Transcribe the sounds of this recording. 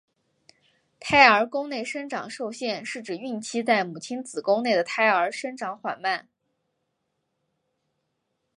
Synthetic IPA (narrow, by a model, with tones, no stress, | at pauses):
t̪ʰa˥ɪə˞˧˥kʊ˥ŋne˥˩ɪʂə˥ŋʈ͡ʂɑ̰˨˩ŋʂo˥˧ʊɕjɛ˥˧nʂɻ̩˥˩ʈ͡ʂɻ̩˨˩y˥˩nt͡ɕʰi˥t͡sa˥˩ɪmu˨˩t͡ɕʰi˥nt͡sɹ̩˨˩kʊ˥ŋne˥˩ɪd̪ə˩t̪ʰa˥ɪə˞˧˥ʂə˥nʈ͡ʂɑ˧˥ŋxwa̰˨˩nma˥˩n